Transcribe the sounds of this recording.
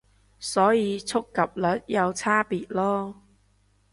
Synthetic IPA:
sɔː˨˥jiː˨˧t͡sʰʊ˥kːɐ˨p̚lɐ˨˥t̚jɐ˨˧wt͡sʰaː˥piː˨t̚lɔː˥

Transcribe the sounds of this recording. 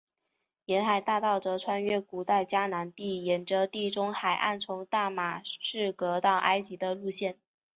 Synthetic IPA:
jɛ˧˥nxa˨˩ɪt̪a˥˧t̪ɑ˥˩ʊʈ͡ʂɤ˧˥t͡sʰwa˥nɥɛ˥ku˨˩t̪a˥˩ɪt͡ɕja˥na˧˥nt̪i˥˩jɛ˨˩nʈ͡ʂə˧t̪i˥˩ʈ͡ʂʊ˥ŋxa˨˩ɪʔa̰˥˩nt͡sʰʊ˧˥ŋt̪a˥˩ma˨˩ʂɻ̩˥˩kɤ˧˥t̪ɑ˥˩ʊʔa˥ɪt͡ɕi˧˥d̪ə˧lu˥˧ɕjɛ˥˩n

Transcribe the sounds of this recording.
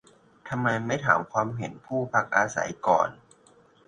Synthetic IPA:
t̪ʰa˧mːa˧jma˥˩jt̪ʰaː˩˦mkʰwaː˧mɦe˨˩˦npʰuː˥˩pʰa˦˥k̚ʔaː˧sa̰˩˦jkɔ̰ː˨˩n

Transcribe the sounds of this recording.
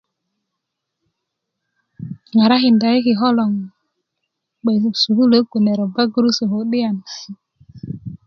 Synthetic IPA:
ŋa˨ɾa˦hi˨nda˨i˦ki˨ɦo˦lo˨ŋ | ɓe˨su˨ku˦lə˦ku˨ne˨ɾo˨ba˦ɡu˦ɾu˦sə˨ho˨˦ɗi˦a˨n˨

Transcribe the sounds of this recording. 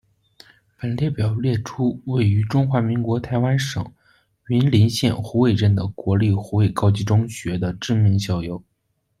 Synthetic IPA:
pə˨˩nljɛ˥˩pjɑ˨˩ʊljɛ˥˩ʈ͡ʂʰu˥we˥˩ɪy˧˥ʈ͡ʂʊ˥ŋxwa˧˥mi˧˥ŋkwɔ˧˥t̪ʰa˧˥ɪwa˥nʂɤ̰˨˩˦ŋ | i˧˥nli˧˥nɕjɛ̰˥˩nxu˧˥we˥˧ɪʈ͡ʂə˥˩nd̪ə˩kwɔ˧˥li˥˩xu˧˥we˥˩ɪkɑ˥ʊt͡ɕi˥ʈ͡ʂʊ˥ŋɕɥɛ˧˥d̪ə˧ʈ͡ʂɻ̩˥˩mi˧˥ŋɕjɑ˥˩ʊjo˧˥˦ʊ

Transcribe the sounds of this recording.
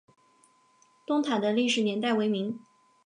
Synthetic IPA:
t̪ʊ˥ŋt̪ʰa˨˩nd̪ə˦li˥˩ʂɻ̩˨˩njɛ˧˥nt̪a˥˩ɪwe˧˥ɪmi˧˥ŋ

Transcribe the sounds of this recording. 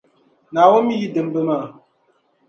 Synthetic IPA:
na˨wɔ˦mi˦ji˦də˨m˦bə˦ma˦˨

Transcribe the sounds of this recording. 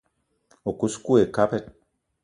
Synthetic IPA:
o˨ku˦sku˦e˨ka˦pɛ˦t̚

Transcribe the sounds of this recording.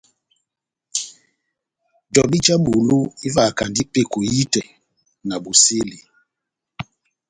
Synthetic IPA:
dɔ˨bi˦t͡ʃa˦bu˨lu˦i˦va˦˨ka˨ndi˦pe˦ko˨ji˦tɛ˨ | na˨bu˨se˦li˨

